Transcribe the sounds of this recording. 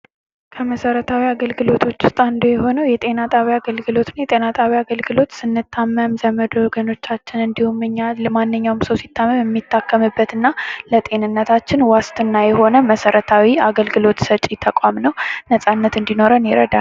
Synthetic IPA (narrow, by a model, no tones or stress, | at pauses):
kʰəməsəɾət̪ʰawiaɡəlɡɨlo̞t̪ʰo̞t͡ʃːʊ̥st̪ʼand̪ojɛɦo̞nəwjɛt̪ʼe̞nat̪ʼaβjaːɡəlɡɨlo̞t̪njɛt̪ʼe̞nat̪ʼaβjaːɡəlɡɨlo̞t̪sɨnːɨt̪ʰːamːəmzəmːəd̪əwoɡəno̞t͡ʃːat͡ʃːɪnɨnd̪ihumɨɲːaləmanːɨɲːawmsəwsit̪ʰːamːəmjɛmːit̪ʰːakʰːəmɨbːət̪ɨnːalət̪ʼe̞nɨnːət̪ʰat͡ʃːɪnwast̪ʰʼɨnːajɛho̞nəməsəɾət̪ʰawiaɡəlɡɨlo̞t̪sət͡ʃʼjɪt̪ʰːəkʼamnəwnəsʼanːət̪ɨnd̪ino̞ɾənjɛɾə̰d̪a̰l